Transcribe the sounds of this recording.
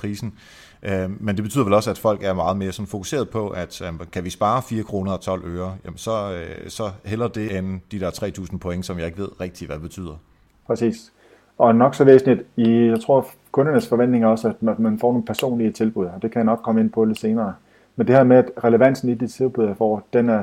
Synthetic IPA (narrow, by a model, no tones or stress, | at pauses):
ʁiːsn̩ | ømend̥eb̥e̝y̰ðˠʋelɒ̽səæd̥fɒ̽l̰ɡ̥æɐmɑ̈ːð̞̩ˠme̝ːɐsɒ̽nfo̝kʰu̥se̝̰ːɐð̞ˠpʰɒ̽ʔæd̥æmkʰæʋisb̥ɑ̈ːfiːɐkʰʁo̝ːnɐɒ̽t͡sʰɒ̽l̰øːɐjæmnsɒ̽sɒ̽hel̰ɐd̥e̝enn̩d̥id̥ɛɐt͡sʰʁɛ̰ːt͡sʰṵːsn̩pʰo̽eŋəsɒ̽mjɑ̈ɪe̝ɡ̥ʋe̝ð̞̰ˠʁɛɡ̥̚d̥iʋædeb̥e̝̥t͡sʰy̰ːð̰ˠɐ | pʰʁɛsḭːs | ɒ̽nɒ̽ɡ̥sɒ̽ʋḛːsn̩id̥ijɑ̈ɪt͡sʰʁo̝ɐ̰ | kʰɔ̽nɐnəsfɒ̽ʋen̰d̥ne̝ŋæɐɒ̽səæd̥mæd̥mænfɒ̰ːno̝ːn̩pʰæɐso̝̰ːnliət͡sʰe̝lb̥uð̞ˠɐɒd̥e̝kʰæjɑnɒ̽ɡ̥̚kʰɒ̽məe̝n̰pʰɒlise̝ːnɐː | mend̥e̝hæmeæd̥ʁɛleʋæn̰sn̩id̥it͡sʰe̝lb̥uð̰ˠɑfɒ̰ːd̥enæɐ